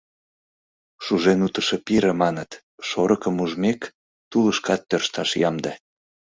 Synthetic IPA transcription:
ʃuʒenut̪əʃepiɾə̆mɑnət̪ | ʃoɾəkəmuʒmek | t̪uləʃkɑt̪ːørʃt̪ɑʃjɑmd̪e

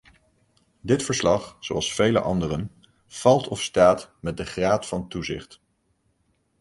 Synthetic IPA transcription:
dɪtfəɹslɑχsowɑlˠsfejlə̰ʔɑ̰ndərən | v̥ɑlˠtɔfstaːtmɛt̚dəχraːtfɑntuzɪ̰χt

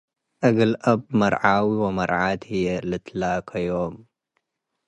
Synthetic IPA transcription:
ʔɐɡɨlʔɐb̚mɐɾˤʕaːwiwɐmɐɾˤʕaːt̪hijelɨt̪laːkʰajoːm

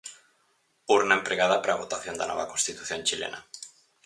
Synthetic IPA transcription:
uɾnaempɾeɣað̞apɾaːβot̪aθjond̪anɔ̰β̞akonst̪it̪uθjonʲt͡ʃilḛnʔa̰

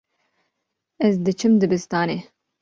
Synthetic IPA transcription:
ɛzd̪ɨt͡ʃʰɨmd̪ɨbɨst̪ɑːneː

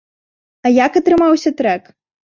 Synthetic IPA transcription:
ɐjakɐt̪ɾɨmawsʲɐt̪ɾɛk

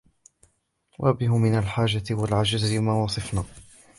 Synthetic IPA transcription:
wʔa̰bɪɦʊmɪnalħaːʒat̪walʕad͡ʒazmaːwɑsˤɨfnaː

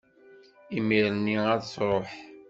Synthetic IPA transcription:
imiɾnːiæðsɾˤoħ

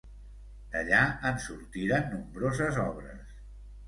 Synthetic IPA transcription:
d̪̥əʎaənsuɾt̪iɾənːumbɾozəzɔβ̞ɾə̰s

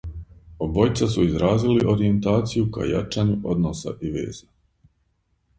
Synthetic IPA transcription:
o̞bo̞jt̪sasuizɾaːziliʔo̞ɾie̞nt̪aːt̪sijuka̰ja̰t͡ʃaɲuʔo̞d̪nosa̰ʔiʋe̞̰ːz̥a

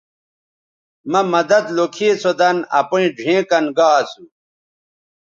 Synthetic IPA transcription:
mɐmɐd̪ɐd̪lokʰeːsod̪ɐnɐ̰puĩɖʱẽːkɐnɡaːsu

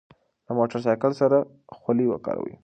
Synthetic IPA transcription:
lamoʈaɾs̬ɑjkəlsaɾa | xwaliwa̰kɑ̰ɾa̰wḭ

